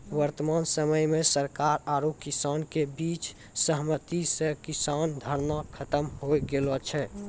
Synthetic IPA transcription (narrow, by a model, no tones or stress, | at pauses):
ʋəɾt̪əmansəməjmesəɾkaɾaɾokisankebit͡ʃ | səɦmət̪isəkisand̪ʱəɾnakʰət̪əmɦojɡelɔt͡ʃʰɛ